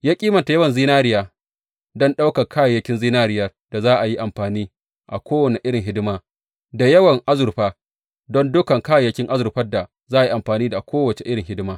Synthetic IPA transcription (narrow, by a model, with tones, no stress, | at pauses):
jaː˦kʲʼiː˦mɐ˨nta˨jɐ˦wɐ˨nziː˦naː˦ɾɪ˦jaː˨ | dɔ˦nɗa˦wkɐ˨kʰaː˦ja˨jɐ˦kʲɪ˦nziː˦naː˦ɾɪ˦jɐ˦˨r | d̥a˨zaː˦ʔa˨ji˦ʔa˨mɸaː˨niː˦ | ʔa̰˨kʷoː˦wɐ˨ne˨ʔɪ˦ɽɪ˨ŋɦɪ˦dɪ˦maː˦ | da˨jɐ˦wɐ˨ŋʔa˦zʊ˨ɾɸaː˦ | dɔ˦ndʊ˦kɐ˨ŋkaː˦ja˨jɐ˦kʲɪ˦ŋʔa˦zʊ˨ɾɸɐ˦da˨ | zaː˦a˨i˦ʔa˨mɸaː˨niː˦da˨kʷʰoː˦wɐ˨t͡ʃe˨ʔɪ˦ɽɪ˨ŋɦɪ˦dɪ˦maː˦